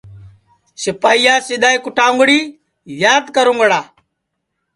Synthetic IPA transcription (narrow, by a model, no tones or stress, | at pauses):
sɪpaːijaːsɪɗ̪aːiːkʊʈʰãːŋɡɽiː | zjaːd̪kəɾũŋɡəɽaː